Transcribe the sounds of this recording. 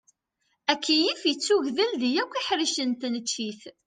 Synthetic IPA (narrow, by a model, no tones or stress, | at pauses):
ækʰːijifjət͡sːuʝðəlðijækʷːiħɾiʃənt̪nət͡ʃːiθ